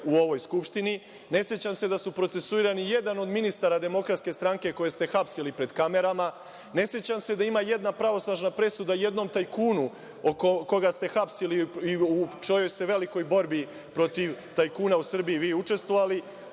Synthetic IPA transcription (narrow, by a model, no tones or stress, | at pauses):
uo̞ʋo̞jskupʃt̪ini | ne̞sjet͡ɕamse̞d̪asupɾose̞suiɾanije̞d̪ano̞d̪minist̪aɾad̪e̞mo̞kɾat̪ske̞st̪ɾaŋke̞ko̞je̞st̪e̞xapsilipɾe̞d̪kame̞ɾama | ne̞sjet͡ɕamse̞d̪aimaje̞d̪napɾaʋo̞snaʒnapɾe̞sud̪aje̞d̪no̞mt̪ajkuːnu | okoko̞ɡast̪e̞xapsiliiut͡ʃo̞jo̞jst̪e̞ʋe̞liko̞jbo̞ɾbi | pɾo̞t̪iʋt̪ajkuːnausr̩bijiʋiːut͡ʃe̞st̪ʋo̞ʋali